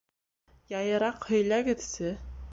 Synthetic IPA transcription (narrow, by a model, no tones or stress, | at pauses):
jɑjɤ̆ɾɑqhɵ̆jlæɡɘ̆ðsɘ